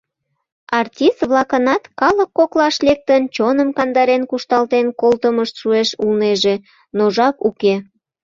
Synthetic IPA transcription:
ɑrtʲist̪βlɑkənɑt̪kɑləkːoklɑʃlek̚t̪ənt͡ɕonəmkɑnd̪ɑɾenkuʃt̪ɑlt̪enkolt̪əməʃt̪ʃueʃulneʒe | noʒɑkuke

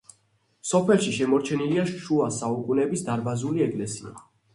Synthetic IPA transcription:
sɔpʰɛlˠʃiʃɛmɔɾt͡ʃʰɛniliaʃʃuasaukʼunɛbisd̪aɾbazuliɛkʼlɛsia̰

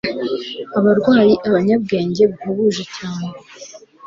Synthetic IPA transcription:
aβaɾɡwaːjiʔaβaɲab̚ɡe̞ːɲɟe̞βuhaβuːʒecaːne

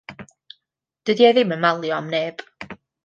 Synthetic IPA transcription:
d̥ədiɛðɪmənmalˠjɔmneːb̥

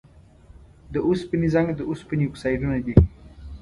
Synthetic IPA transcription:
d̪əuspinizaŋɡd̪əuspinijuksajɖunad̪i

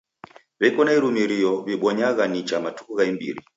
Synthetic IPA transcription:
βɛkɔnaiɾumiɾijɔβiɓɔɲaɣanit͡ʃamatʰuɣaimbḭɾḭ

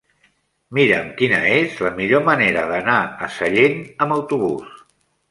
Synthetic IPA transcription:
miɾəmkinəezləmiʎoməneɾəðənaəsəʎenəməwt̪uβ̞ṵs

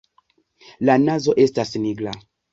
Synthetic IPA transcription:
lanazoʔestasniɡla

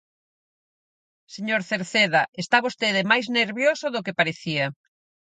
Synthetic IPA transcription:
seɲoɾθeɾθeðɐest̪aβost̪eðemajzneɾβjosʊðʊkepaɾeθiɐ

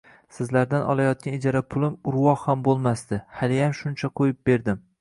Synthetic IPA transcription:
sɪzlaɾd̪anʔɒ̰lˠajɒt̪̚kʲanɪd͡ʒaɾapʰʊlˠɪmʊɾwɒhhambolˠmasd̪ɪhalijamʃʊnt͡ʃʰaqʰojɪp̚beɾd̪ɪm

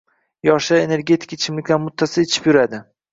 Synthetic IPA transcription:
jɒʃaene̞ɾɡʲe̞t̪ʰɪ̥kʰat͡ʃʰɪmlɪkʲlanmʊt̪ʰːasɪet͡ʃʰɪ̥pjʊɾad̪ɪ

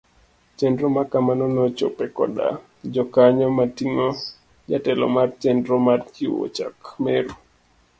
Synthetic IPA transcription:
t͡ʃɛndɾɔmakamanɔnɔt͡ʃo̰pɛkɔ̰da̰ | d͡ʒɔkaɲɔmatiŋɔ | d͡ʒatɛlɔ̰mart͡ʃɛndɾɔmarkiwo̰t͡ʃakmeɾu

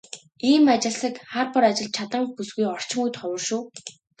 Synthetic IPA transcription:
iːmat͡ɕɪ̆ɮsə̆kχarpɔɾat͡ɕɪ̆ɮ̚t͡ɕʰat̪ə̆ŋxusɡujɔr̥t͡ɕɪ̆ŋujt̪χɔwə̆rʃuː

